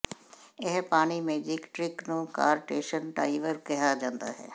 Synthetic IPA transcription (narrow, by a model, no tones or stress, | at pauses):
ɪɦpaːñiːmeːd͡ʒɪkʈɾɪknũːka̰ːɾʈeːʃənɖaːɪʋəɾkɪɦaːd͡ʒãːnd̪a̰ːɦɛ̰ː